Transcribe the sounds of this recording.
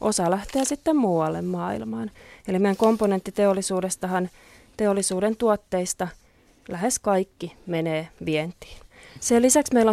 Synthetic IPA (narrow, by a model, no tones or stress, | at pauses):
ʔo̰sɑlæht̪eæsit̪ːemmuːwɑlːḛmmɑːḭlmɑːnelimeijæŋkomponent̪ːit̪eolːisuːdest̪ɑhɑn | t̪eolːisuːdent̪uot̪ːeist̪ɑ | læheskɑikːimeneːʋient̪i̥ːselisæksmeilːo